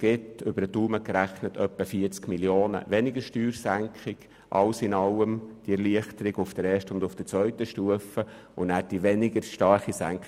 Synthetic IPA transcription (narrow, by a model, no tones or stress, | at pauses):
ɡ̥ɪtʏbəɾətuːməkɾæχnətʰœpːəfiət͡skmiljoːnə̰ʋɛnɪɡəɾʃtyːɾsæŋkɪɡ̥ | ʔɑ̰lsɪnɑləmd̥iɛɾliəχtəɾɪɡʊfd̥əɾɛːʃtəʊndʊfd̥ət͡sʋœʏtəʃtuəfə | ʊnnæːɾd̥iʋɛnɪɡəɾʃtɑrχisæ̰ŋk